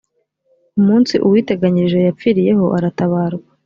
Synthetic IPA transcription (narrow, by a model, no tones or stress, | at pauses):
umuːnsiʔuwiːte̞ɡaɲiʒe̞jap͡fiɾije̞ho̞ʔaɾataβaːɾɡa